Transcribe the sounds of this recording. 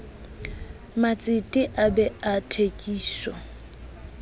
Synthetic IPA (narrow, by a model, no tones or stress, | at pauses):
mat͡sʼɪtʼɪʔabɛatʰekʼiːʃɔ